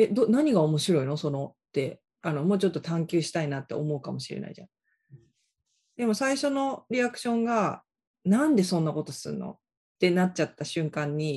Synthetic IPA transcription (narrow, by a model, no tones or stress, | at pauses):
ed̪oːnaɲ̟iɡaomo̞ɕiɾo̞inoso̞no̞t̪ːe̞ | ano̞mo̞ːt͡ɕo̞t̪ːo̞t̪ʰãŋkʲɨːɕi̥t̪ainat̪ːe̞o̞mo̞ɯ̟kamo̞ɕiɾena̰ḭʑa̰na | d̪e̞mo̞saiɕo̞no̞ɾʲiakɯ̟̥ɕõ̞ŋɡa | nãnd̪e̞sõ̞nːako̞t̪o̞sɨɾɯ̟no̞̰ | t̪ːe̞natt͡ɕat̪ːaɕɨ̃ŋkãɲ̟ːi